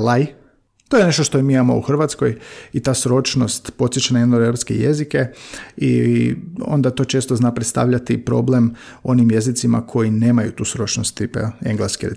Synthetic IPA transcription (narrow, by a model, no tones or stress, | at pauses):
laj | t̪ojene̞ʃt̪o̞ʃt̪oimiamo̰ṵxr̩ʋat̪sko̞jit̪aːsɾo̞t͡ʃnost̪po̞t̪sjet͡ʃanajed̪noɾeɾpskḛjezikeḭ | o̞̰nd̪at̪o̞ːt͡ʃe̞ːst̪oznaːpɾet̪st̪a̰ːʋʎat̪ipɾo̞̰blem | o̞nimje̞zit̪sima̰kʰo̞jine̞ːmajut̪uːsɾo̞t͡ʃnost̪t̪ipḛeŋɡleskeɾe